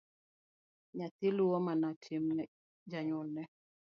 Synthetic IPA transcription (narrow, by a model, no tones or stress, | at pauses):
ɲat̪iluwɔmanatʰim | d͡ʒaɲɔlnɛ